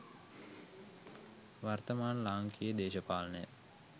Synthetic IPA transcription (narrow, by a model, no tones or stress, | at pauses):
ʋart̪əmaːnlaːŋkʰijəd̪eːʃəpaːlɐnəjə